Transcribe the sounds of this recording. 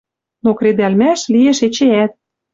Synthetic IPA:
nokred̪ælmæʃlieʃet͡ɕeæt̪̚

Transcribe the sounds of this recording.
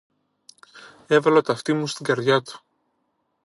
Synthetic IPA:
e̞vɐlot̪ɐft̪imust̪iɡɐɾðʝɐt̪u̥

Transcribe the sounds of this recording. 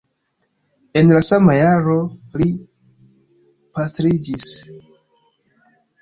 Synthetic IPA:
e̞nlasamajaɾo̞li | pastɾid͡ʒis

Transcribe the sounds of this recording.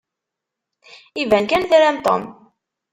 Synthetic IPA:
ivænkænθɾæmt̪ˤo̰m

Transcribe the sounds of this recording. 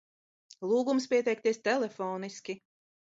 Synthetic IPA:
lˠuːɡumspʲiɛt̪ɛjk̚t̪iɛst̪ɛlʲɛfɔːniskʲi

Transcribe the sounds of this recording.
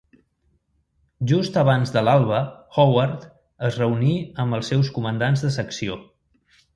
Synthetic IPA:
ʒust̪əβ̞anzðəlalˠβ̞əxɔwaɾt̪ | əzrəuniəmbəlˠsːɛwskumənd̪anzðəsəksio

